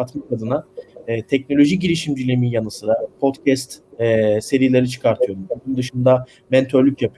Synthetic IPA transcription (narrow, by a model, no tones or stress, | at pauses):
at̪makad̪ɯnaːt̪ʰɛc̚no̞lʲo̞ʒiɟiɾʲiʃimd͡ʒylʲemijanɯsɯɾapʰo̞t̪cʰɛst̪ɛːse̞ɾijilʲe̞ɾit͡ʃʰɯ̥kʰaɾt̪ʰɯjo̞ɾumbuunund̪ɯʃɯnd̪a | mɛnt̪ʰø̞ɾlʲycʰjapʰɯoɾ